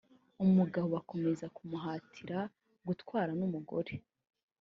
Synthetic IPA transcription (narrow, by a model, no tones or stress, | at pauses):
umuɡahowako̞me̞zakumuɦaːtʰiɾa | ɡutkwaːɾanumuɡo̞̰ɾe̞